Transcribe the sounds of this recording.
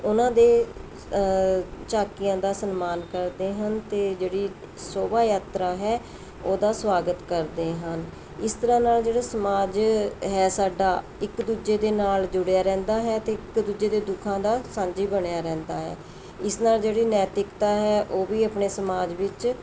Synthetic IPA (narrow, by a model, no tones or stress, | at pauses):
ʊnãːd̪eː | t͡ʃaːkɪjãːd̪aːsənmaːnkəɾd̪eːɦənt̪eːd͡ʒeːɽiː | soːbaːjaːt̪ɾaːɦɛː | oːd̪aːsʋaːɡət̪kəɾd̪eːɦən | ɪst̪əɾãːnaːld͡ʒeːɽaːsəmaːd͡ʒɦɛːsaːɖaː | ɪkd̪uːd͡ʒeːd̪eːnaːld͡ʒʊɽjaːɾɛ̃ːnd̪aːɦɛːt̪eːɪkd̪uːd͡ʒeːd̪eːd̪ʊkʰãːd̪aːsãːɲd͡ʒiːbəɳjaːɾɛ̃ːnd̪aːɦɛ̰ː | ɪsnaːld͡ʒeːɽiːnɛːt̪ɪkt̪aːɦɛːʔoːʋiːəpɳeːsəmaːd͡ʒʋɪt͡ʃ